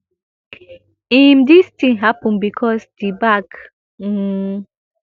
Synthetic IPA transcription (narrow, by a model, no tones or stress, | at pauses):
ĩmdistĩnɦapə̃nbikʰɔsdibak̩